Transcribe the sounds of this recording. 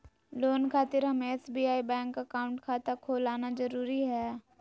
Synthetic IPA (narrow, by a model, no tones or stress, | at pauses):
loːnkʰaːt̪ɪɾɦɐmeesbiːaːibɛ̃ːŋkːakaːʊ̃ɳʈkʰaːt̪akʰoːlaːnazɐɾuːɾiɦɛː